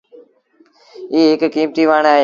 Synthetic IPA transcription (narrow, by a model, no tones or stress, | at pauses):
iːɦɪkkiːmt̪iːʋaːɳaːɦe